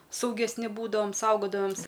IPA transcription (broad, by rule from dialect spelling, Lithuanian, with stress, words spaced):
sɐʊɡʲɛsʲˈnʲɪ ˈbuːdɐʋɐm ˈsɐʊɡoːdɐʋɐmʲs